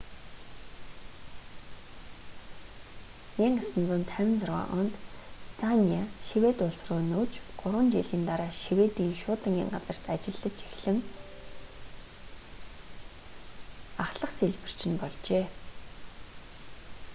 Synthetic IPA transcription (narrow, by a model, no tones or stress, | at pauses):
eŋasɵ̆nt͡sʊːnt̪ʰæwʲɪ̆nt͡sarwa̰ːʔʊnt̪st̪ʰaniaʃiwet̪ʊɮsrʊːnuːt͡ɕɢ̥ʊɾwə̆nt͡ɕiɮiːnt̪aɾaːʃiwet̪iːŋʃʊːt̪ə̆ŋḭːŋɢat͡sə̆r̥t̪at͡ɕɪ̆ɮːə̆t͡ɕixɮɘ̆ŋ | aχɮə̆qseɮpɘ̆r̥t͡ɕɪ̆npɔɮt͡ɕeː